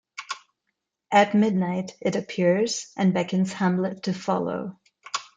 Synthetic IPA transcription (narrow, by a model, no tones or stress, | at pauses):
ʔɨt̚mɪdⁿnaɪɾɨɾɨpʰɪɹz̥ʔɨ̃nbɛkɨ̃nz̥hæ̃mlɨtʰːɨfɑ̰lˠo̰ʊ